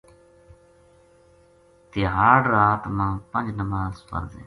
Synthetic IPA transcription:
t̪ɪɦaːɖɾaːt̪mãːpənd͡ʒnəmaːzpə̰ɾzḛ̃ː

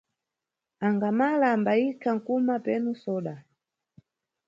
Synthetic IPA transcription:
aŋɡamalaːmbaikʰaŋ̩kumapɛnusɔːɗa

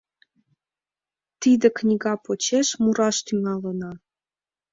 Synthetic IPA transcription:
t̪id̪ə̆knʲiɣɑpot͡ɕeʃmuɾɑʃt̪yŋɑlənɑ

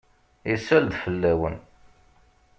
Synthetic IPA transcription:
isæld̪fəlːæwə̰n

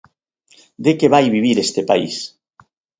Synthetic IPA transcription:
d̪ekeβajβiβiɾest̪epa̰ḭs

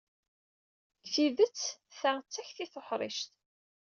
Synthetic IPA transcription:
kθiðət͡sːθaʁt͡sːæçθiθoħɾˤɪ̰ʃt̪

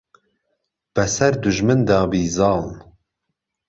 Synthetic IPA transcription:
b̥ɛsɛɾd̪uʒmɨnd̪ɑːbiːzɑːln

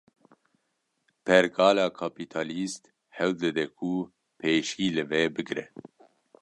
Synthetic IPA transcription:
pʰɛɾɡɑːlɑːkʰapʰit̪ʰɑːlist̪ | hɛwd̪ɨd̪ɛkʰu | pʰeːʃiːlɨvɛbɨɡɾɛ

